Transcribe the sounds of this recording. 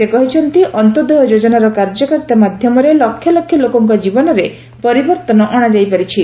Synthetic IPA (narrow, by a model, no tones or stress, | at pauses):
sekɔɦit͡ʃʰɔnt̪iʔɔnt̪ɔd̪ɔɦɔd͡ʒod͡ʒɔnaɾɔkaɾd͡ʒɔkɔɾt̪amad̪ʱjɔmɔɾelɔkʰːjɔlɔkʰːjɔlokɔŋkɔd͡ʒibɔnɔɾe | pɔɾibɔɾt̪ɔnɔʔɔɽ̃ad͡ʒajpaɾit͡ʃʰi